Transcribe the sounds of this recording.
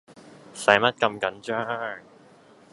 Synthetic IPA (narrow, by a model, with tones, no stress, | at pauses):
sɐ˨˥jmɐ˥t̚kɐ˧mkɐ˨˥nt͡ʃœː˥ŋ